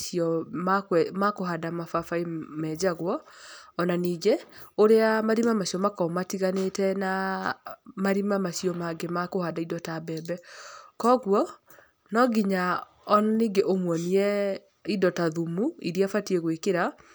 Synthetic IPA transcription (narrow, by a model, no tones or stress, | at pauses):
iɔmakwɛmakoɦadamafafaimɛd͡ʑaɣwɔːnaniːɡeoɾeamaɾimamaɕiɔmakɔmatiɣanetɛna | maɾimamaɕiɔmaɡemakohadaidɔtabɛbɛkɔɣwɔ | nɔɡiɲa | ɔnaniːɡeʔomwɔniɛ | idɔtaðumuḭɾiafatiɛɣwekeɾa